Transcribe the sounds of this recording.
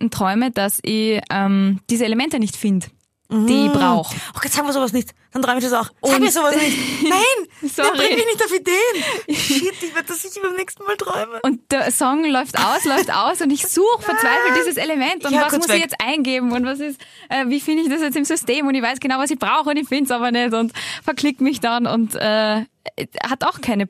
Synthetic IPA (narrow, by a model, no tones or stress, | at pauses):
n̩tʁ̥ɔʏməd̥asɪçʔɛmd̥iːzəelemɛntənɪçtfɪnd̩̥ | iːɪçb̥ʁaʊʊxʔoɡ̥ɔtzaːɡŋ̩viːɐzoːvasnɪçtd̥antʁɔʏmɪçdɛsaʊxʔʊaːɡniːɐzoːvasnɪçtnaɪnsɔɛʁbʁiɪɪçnɪçtaʊfideːnid̥ivɪɐtdasɪçbaɪmnɛːkstn̩maːltʁ̥ɔʏməʊnt̚d̥ɛɐsɔŋlɔʏftʔa̰ʊslɔʏfta̰ʊsʊndɪçz̥uːxfɛɐt͡sv̥aɪfl̩td̥iːzəseləmɛntʊnvasmʊsɪçjɛt͡stʔa̰ɪnɡeːbm̩ʊntvas̬ɪs | ʔɛːviːfɪndəɪçd̥asjɛt͡stɪmzʏsteːmʊntdɪçv̥aɪsɡ̥ənaʊvasɪçb̥ʁaʊxʊndɪçfɪnsaːbɐnɛtʊntfɛɐkʰlɪkmɪçd̥anʊ̰ntɛː | hataʊxkʰaɪnə